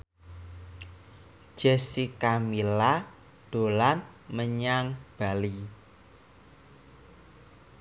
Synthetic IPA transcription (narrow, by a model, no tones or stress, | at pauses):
ʒ̥ɛsikamila | d̪̥o̤lan | məɲaŋb̥a̤li